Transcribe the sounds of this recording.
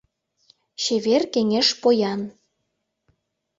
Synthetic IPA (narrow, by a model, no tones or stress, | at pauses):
ɕeβerkeŋeʃpojɑn